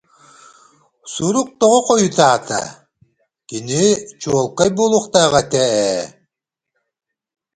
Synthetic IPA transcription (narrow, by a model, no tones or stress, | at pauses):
suɾuk̚t̪ɔʁɔqɔjut̪aːt̪a̰ | kinit͡ʃuɔlˠkajbulˠuχt̪aːʁat̪ɛɛ